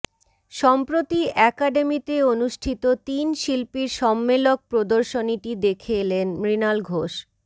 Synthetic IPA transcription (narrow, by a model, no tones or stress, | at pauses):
ʃɔmpɾot̪iʔɛkaɖemit̪eonuʃʈʰit̪ot̪inʃilpiɾʃɔmːelok̚pɾod̪oɾʃoniʈid̪ekʰelenmɾinalɡʱoʃ